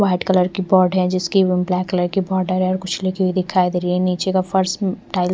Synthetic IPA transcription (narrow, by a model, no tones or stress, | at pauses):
ʋaːɪʈkɐləɾkibɔːɾɖɦɛd͡ʒɪskiʋɪmblɛːkːɐləɾkibɔːɾɖəɾɦɛɔːɾkʊt͡ʃʰlekibʱid̪ɪkʰaːjd̪eːɾiɛniːt͡ʃekafʰɐɾsʈʈaːɪl